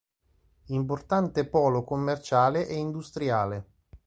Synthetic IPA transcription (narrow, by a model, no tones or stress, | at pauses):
import̪ant̪epɔːlokomːert͡ʃaːleʔɛind̪ust̪ɾiaːle